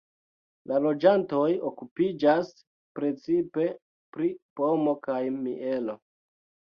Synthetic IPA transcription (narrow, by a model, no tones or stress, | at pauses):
lalo̞d͡ʒanto̞jokupid͡ʒas | pɾe̞t͡sipe̞ | pɾipo̞mo̞kajmiʔe̞lo̞